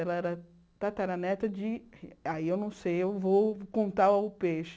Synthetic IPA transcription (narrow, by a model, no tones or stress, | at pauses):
ɛlɐɛɾɐ | t̪at̪aɛɾɐnɛt̪ɐd͡ʒɪaiewnɐ̃w̃sejewvowkõnt̪aaʊpeʃ